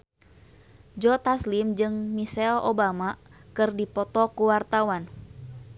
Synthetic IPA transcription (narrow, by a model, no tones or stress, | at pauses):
d͡ʒɔt̪aslimd͡ʒɨŋmisɛlobamakɨrdipɔt̪ɔkuwart̪awan